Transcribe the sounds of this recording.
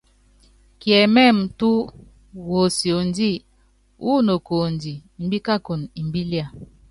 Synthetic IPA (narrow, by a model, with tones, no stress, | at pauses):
kjɛ˨mɛ˦˨m̩˨tu˦ | wo˨si˨o˨n˦di˦˨ | ʔu˦no˨ko˨n˨di˨m̩˨˦bi˦ka˦ko˨ni˨m̩˨bi˦lja˦˨